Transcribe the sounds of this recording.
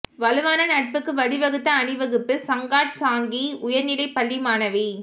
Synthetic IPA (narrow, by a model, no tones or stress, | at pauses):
ʋɐlɯʋaːnɐnɐʈ̚pɯkːɯʋɐlɪʋɐɣɯt̪ːɐːɳɪʋɐɣɯpːɯsɐŋɡaːʈ̚saːŋɡiʊjɐɾnɪɽɐɪpɐlːimaːnɐʋi